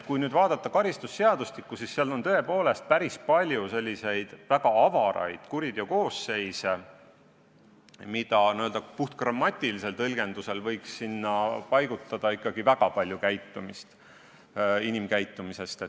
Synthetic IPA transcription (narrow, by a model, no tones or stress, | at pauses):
kujnyːd̪̥vɑːd̪̥ɑt̪ːɑkɑɾist̪usːe̞ɑd̪ust̪ikːˑusisːeɑlo̞nt̪ɤe̞po̞ːle̞st̪̚pæɾispɑlʲjuse̞lʲːise̞jd̪̥væɡ̥ɑɑvɑɾɑ̰jd̪̥kuɾid̪̥oko̞ːsːe̞jse | mid̪̥ɑniøld̪ɑpuht̪̚krɑmːɑt̪ʲːˑilise̞lt̪ɤlɡ̥e̞nd̪use̞lvɤ̞jksːinːɑpɑjɡ̥ut̪ˑːɑd̪̥ɑikːˑɑɡ̥ivæɡ̥ɑpɑlʲjukæjt̪ːˑumist̪ | inimkæjt̪ːˑumise̞st̪e